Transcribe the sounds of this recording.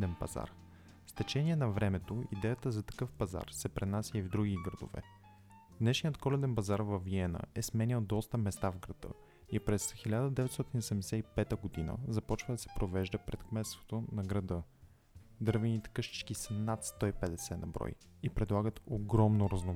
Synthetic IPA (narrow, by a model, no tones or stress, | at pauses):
d̪ɛnpɐ̰za̰ɾ | st̪ɛt͡ʃɛniɛnɐvɾɛmɛt̪oid̪ɛjət̪əzɐt̪ɐ̥kɤfpɐza̰ɾsɛpɾɛnasʲəivd̪ɾuɡʲiɡɾɐd̪o̰vɛ̰ | d̪nɛʃnijət̪kɔlɛd̪ɛnpɐzaɾvɐviɛnə̰ɛsmɛnild̪ɔst̪əmɛst̪avɡɾɐd̪̥ɤ̰ | ipɾɛsxilʲad̪əd̪ɛvɛt̪st̪ɔt̪inosɛmd̪ɛsɛipɛt̪əɡod̪inə̰zɐpɔt͡ʃvəd̪ɐsɛ̥pɾovɛʒd̪əpɾɛt̪kmɛt̪st̪vo̥t̪onɐɡɾɐd̪ɤ | d̪ɤɾvɛnit̪ɛ̥kɤʃt̪i̥t͡ʃkisənat̪st̪ɔipɛd̪ɛsɛnɐbɾɔ̰j | ipɾɛd̪lˠaɡət̪oɡɾɔmnoɾɐzno